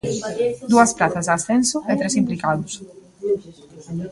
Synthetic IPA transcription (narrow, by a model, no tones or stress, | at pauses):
d̪uɐspɾaθɐzðasθensʊʔɛt̪ɾesimplikaðʊs